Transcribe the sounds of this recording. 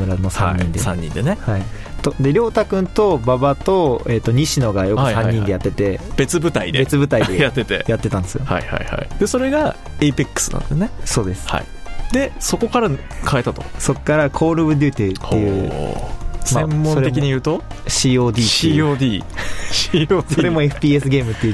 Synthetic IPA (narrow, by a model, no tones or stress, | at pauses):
ɯ̟ɾanosãɲːĩnd̪e̞sã̰ɲ̟ːḭ̃nd̪e̞nehai | t̪od̪e̞ɾʲo̞ːt̪akɯ̟̃nt̪o̞babat̪o̞e̞t̪ːo̞ɲ̟iɕino̞ɡajo̞kkɯ̟sãɲɲːĩnd̪ejat̪ːe̞t̪e̞b̥e̞t͡sɨbɯ̟t̪aid̪ebe̞t͡sɨbɯ̟t̪aid̪ejat̪ːe̞t̪e̞̰jat̪ːe̞t̪ãnd̪e̞sɨjoha̰iha̰iha̰id̪e̞so̞ɾe̞ɡa | eipikːɯ̥sɨ̥nã̰nd̪sneso̞ːd̪e̞sɨ̥ha̰id̪e̞so̞ko̞kaɾa | kʰae̞t̪at̪o̰so̞kːaɾakʰo̞ːɾɯ̟bɯ̟d̪ʲɯ̟ːt̪et̪ːejɯ | smaẽmːosoɾeekʲiɲijɯ̟ːt̪o̞ɕiːo̞ːd̪ʲiːioːd̪ʲiːɕioːsoɾe̞moe̞ɸɯ̟̥pʲiːesɨɡʲe̞ːmɯ̟t̪ːejɯ̟